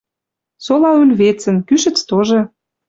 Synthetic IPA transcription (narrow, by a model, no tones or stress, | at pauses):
solɑylʲβet͡sə̆nkyʃə̆t͡st̪oʒɤ̆